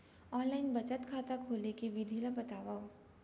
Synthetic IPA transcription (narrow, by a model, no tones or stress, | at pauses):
ɔːnlaːɪnbɐt͡ʃət̪kʰaːt̪akʰoːlekeʋɪd̪ʱilabɐt̪aːʋa